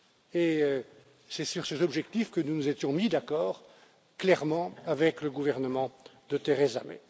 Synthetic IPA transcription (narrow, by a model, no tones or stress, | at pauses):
e | sɛsyʁsɛt̪ɔbʒɛk̚t̪ifkənunuzet̪jɔ̃mid̪akɔːʁ | klɛʁmɑ̃avɛkləɡuvɛʁnəmɑ̃d̪ət̪eʁeza̰mḛ